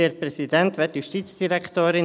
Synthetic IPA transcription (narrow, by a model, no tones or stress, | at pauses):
eɾprɛsidɛnt̪ʋɛtjuʃtiːt͡sd̥iɾɛkt̪oːɾɪn